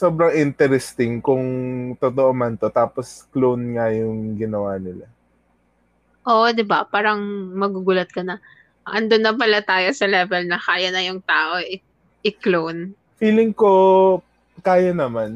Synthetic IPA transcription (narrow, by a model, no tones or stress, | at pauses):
so̞ːbɾɐŋʔɪnt̪ɛɾɛst̪ɪŋkʊŋt̪ot̪oʔomɐnt̪ot̪aːposklownŋajʊŋɡɪnɐwaːnɪla | ʔoʔd̪ɪbapaːɾɐŋmɐɡuɡuːlɐt̪̚kɐnɐ | ʔɐnd̪onːɐpɐlɐt̪aːjosɐlɛːvɛlnɐkaːjɐnɐjʊŋt̪aːʔo̞ʔɪ | ʔɪklown | fiːlɪŋko | kaːjɐnɐman